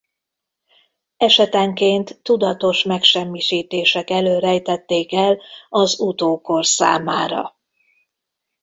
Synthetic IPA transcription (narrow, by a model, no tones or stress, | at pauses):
ɛʃɛt̪ɛŋkeːnt̪ːud̪ɒt̪o̞ʃmɛkʃɛmːiʃiːt̪eːʃɛkɛløːɾɛjt̪ɛt̪ːeːkɛlɒzut̪oːko̞rsa̰ːmaːɾɒ̰